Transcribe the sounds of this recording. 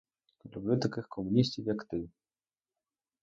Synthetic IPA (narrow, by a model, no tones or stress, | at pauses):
lʲublʲut̪akɨxkʰɔmunʲis̬ʲtʲiwjakt̪ɨ